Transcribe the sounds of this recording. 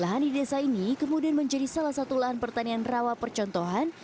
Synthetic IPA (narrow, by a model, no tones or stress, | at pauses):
laɦandidesainikəmudianməɲd͡ʒadisalahsat̪ulaɦanpərt̪anianrawapərt͡ʃɔnt̪ɔɦan